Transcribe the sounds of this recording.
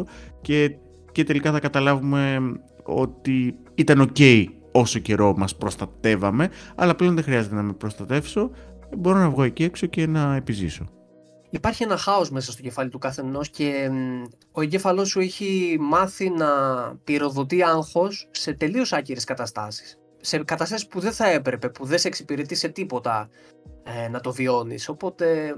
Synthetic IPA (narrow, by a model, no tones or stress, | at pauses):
oce̞ | ce̞t̪e̞likɐθɐkɐt̪ɐlɐvume̞ | o̞̰t̪i | it̪ɐno̞ce̞i | o̞so̞ce̞ɾo̞mɐspɾost̪ɐt̪e̞vɐme̞ɐ̰lɐple̞o̞nðexɾiɐze̞t̪enɐme̞pɾo̞st̪ɐt̪e̞fso̞bo̞ɾo̞nɐvɣo̞ecieksoce̞nɐepiziso̞̰ | ipɐɾçie̞nɐxɐo̞sme̞sɐst̪o̞ce̞fɐlit̪ukɐθe̞no̞sce̞ | oeɲɟefɐlo̞sːueçimɐθinɐpiɾo̞ðo̞t̪iɐŋxo̞sːe̞t̪e̞lio̞sɐciɾeskɐt̪ɐst̪ɐ̰si̥sː | e̞kɐt̪ɐst̪ɐsispuðe̞θɐe̞pɾe̞pe̞puðe̞seeksipiɾe̞t̪ise̞t̪ipo̞t̪ɐ | nɐt̪o̞vio̞nḭso̞po̞t̪e̞